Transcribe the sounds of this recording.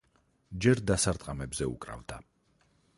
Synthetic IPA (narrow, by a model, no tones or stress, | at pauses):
d͡ʒɛɾd̪asaɾt̪ʼqʼamɛbzɛṵkʼɾa̰vd̪a